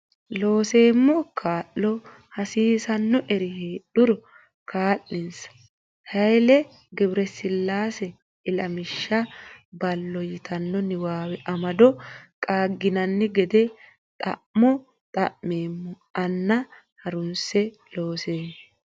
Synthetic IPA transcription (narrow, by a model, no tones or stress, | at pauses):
lo̞ːse̞ːmːɔkʰaːʔːɔ | hɐsiːsɐnːɔʔɛɾɪheːɗʊɾɔ | kʰaːʔːɪnsɐ̥ | hɐjlɛ | ɡɛbɪɾɛsɪlːaːsɛ | ɪlɐmɪʃːɐbɐlːɔjɪt̪ʰɐnːɔnɪwaːwɛʔɐmɐd̪ɔkʼaːɡːɪnɐnːɪɡɛd̪ɛ | t̪ʼɐ̰ʔmːɔ | t̪ʼɐʔmeːmːɔ | ɐnːɐ | hɐɾʊnsɛ | loːseː